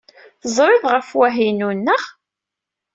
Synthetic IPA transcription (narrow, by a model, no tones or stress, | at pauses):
θəzˤɾˤɪðʁəfwæɦinunːəʁ